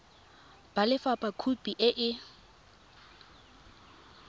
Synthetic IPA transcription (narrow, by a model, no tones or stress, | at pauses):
b̥alɪfapʼakʰupʼiʔɪʔɪ